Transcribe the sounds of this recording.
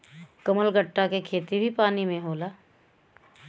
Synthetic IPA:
kəməlɡəʈːakekʰeːt̪ibʱipaːnimẽɦoːlaː

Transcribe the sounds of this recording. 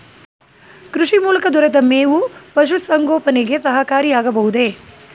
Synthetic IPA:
kɾuʃimuːlɐkɐd̪ɐɾɐt̪ɐmeːʋupɐʃ̬usɐŋɡoːpɐneɡesɐɦɐkaːɾijaːɡɐbɐɦud̪e̞

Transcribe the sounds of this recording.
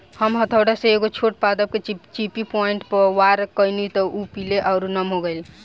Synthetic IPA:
həmɦət̪ʰəwɽasẽeɡot͡ʃʰoʈ̚pad̪əb̚ket͡ʃipipɔiɳʈpəwaɾkəjnit̪ɔʔupileʔaʊɾunəmɦoɡəjl

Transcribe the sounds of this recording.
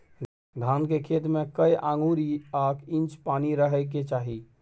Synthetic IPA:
ɡ̪ʱankekʰet̪mekəjʔãŋɡuɾiakint͡ʃpaniɾəɦəjk̬et͡ʃaɦi

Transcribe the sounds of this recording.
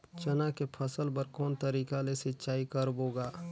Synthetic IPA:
t͡ʃɐnakepʰɐsəlpɐɾkɔːnt̪ɐɾiːkalesɪtːʃaːikəɾboːɡaː

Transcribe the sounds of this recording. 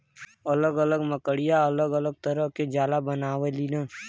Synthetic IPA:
ɐləɡələɡməkəɽijaɐləɡələɡ̚t̪əɾəɦked͡ʒaːlabənaːwelinaː

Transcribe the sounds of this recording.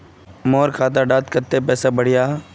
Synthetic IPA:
mɔːɾkʰaːt̪̬aɖaːt̪kət̪ːepɛːsabəɽ̤ɪjaː

